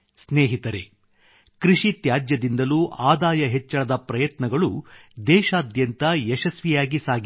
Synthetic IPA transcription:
sneːɦit̪ɐɾḛ | kɾiʃit̪jaːd͡ʒjɐd̪ind̪ɐluʔaːd̪aːjɐɦɛt͡ʃːɐɭɐd̪ɐpɾɐjɐt̪nɐɡɐɭud̪ɛːʃaːd̪jɐnt̪ɐjɛʃɐsʋijaːɡisaːɡi

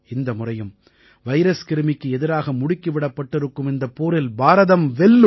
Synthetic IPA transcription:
ɪnd̪ɐmʊrɐjɯm | ʋɐɪɾɐskɪɾɯmɪkːɯɛðɪɾaːɣɐmʊɽɪkːɯʋɪɽɐpːɐʈːɪɾɯkːɯmɪnd̪ɐpːoːɾɪlbaːɾɐðɐmʋɛɭːɯ

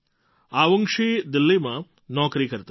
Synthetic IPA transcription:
aʋəŋkʃid̪ɪlːimã | nɔːkɾikəɾt̪a

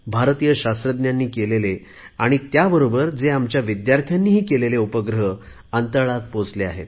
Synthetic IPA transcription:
bʱaɾt̪ijəɕast̪ɾəd̪njanːiːkelele | aɽ̃it̪jabəɾobəɾd͡zeamt͡ɕjaʋid̪jaɾt̪ʰjanːiːɦiːkeleleupəɡɾəɦə | ənt̪əɭat̪pot͡slea̰ɦḛt̪

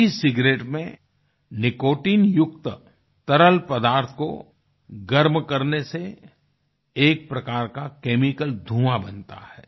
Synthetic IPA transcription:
isɪɡɾeːʈmẽ | nɪkoːʈiːnjʊk̚t̪ | t̪ɐɾəlpɐd̪aːɾt̪ʰko̰ | ɡəɾmkɐɾnese | eːk̚pɾɐkaːɾkakeːmɪkəld̪ʱũːabɐnt̪a̰hɛː

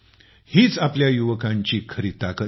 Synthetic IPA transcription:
hiːt͡sapljajuʋəkãɲt͡ɕiːkʰəɾiːt̪akə

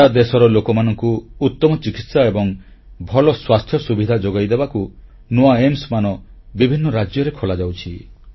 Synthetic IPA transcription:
ad̪esɔɾɔlokɔmanɔŋkuut̪ːɔmɔt͡ʃikit̪saebɔŋ | bʱɔlɔswast̪ʰjɔsubid̪ʱad͡ʒoɡajd̪ebaku | noaemsmanɔbibʱinːɔɾad͡ʒjɔɾekʰolad͡ʒawt͡ʃʰi

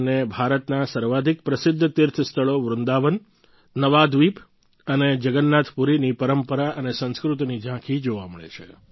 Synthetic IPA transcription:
nebʱaɾət̪nasəɾʋad̪ʱik̚pɾəsɪd̪ʱːət̪ɪɾt̪ʰst̪ʰəɭoʋɾʊnd̪aʋən | nəʋad̪ʋip | əned͡ʒəɡənːat̪ʰpuɾinipəɾəmpəɾaʔənesə̃nskɾut̪nid͡ʒãkʰid͡ʒoʋaməɭḛt͡ʃʰe

